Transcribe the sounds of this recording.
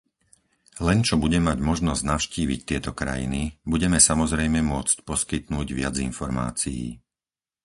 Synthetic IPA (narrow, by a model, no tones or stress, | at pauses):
lɛnt͡ʃɔbuɟɛmaɟmɔʒnɔzɟnaʊʃciːʋḭc̚t̪ɪɛt̪ɔkɾa̰jḭnibuɟɛmɛsamɔzɾɛjmɛmʊɔt͡scpɔskit̪nuːɟʋɪa̰d͡zinfɔɾma̰ːt͡sijḭː